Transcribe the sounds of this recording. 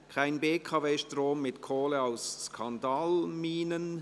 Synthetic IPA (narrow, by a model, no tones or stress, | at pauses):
kʰaɪnbeːkʰɑveːʃtroːmːɪtkʰoːləaʊsskʰɑndɑːlmiːnən